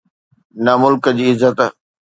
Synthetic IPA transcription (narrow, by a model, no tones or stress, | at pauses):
nɐmʊlkəd͡ʑiːɪzːət̪